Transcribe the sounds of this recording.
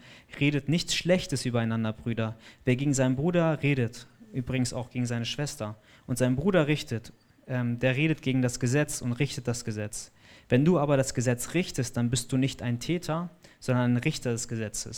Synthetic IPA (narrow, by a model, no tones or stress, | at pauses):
ʁeːɾətnɪçt͡sʃlɛçtəsʔyːbɐaɪnandɐbʁyːdɐveːɐɡeːɡŋ̩zaɪnəmbʁuːdɐʁeːɾətʔyːbʁɪɡŋ̩sa̰ʊxɡ̥eːɡŋ̩zaɪnəʃv̥ɛstɐ | ʔʊntz̥aɪnbʁuːɾɐʁɪçtət | ʔɛmdeːɐʁeːɾət̚ɡ̥eːɡŋ̩dasɡ̥əzɛt͡sʊntʁɪçtət̚d̥asɡ̥əzɛt͡s | vɛnduːaːbɐɾasɡ̥əzɛt͡sʁɪçtəst̚d̥anbɪst̚d̥uːnɪçtaɪntʰɛːtʰɐz̥ɔndɐnaɪnʁɪçtɐdɛsɡ̥əzɛt͡səs